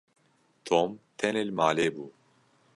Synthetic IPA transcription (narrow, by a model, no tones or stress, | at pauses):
t̪ʰomt̪ʰɛnelmaːleːbuː